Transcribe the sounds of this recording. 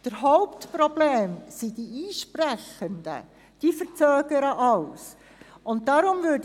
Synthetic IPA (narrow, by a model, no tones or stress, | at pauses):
d̥əɾɦɔʊptprɔb̥leːmsid̥iiːʃpræχənd̥ə̰ | d̥ifəɾt͡sœːɡ̥əɾəʔɑws | ʊnt̚dɑɾʊmʋøːd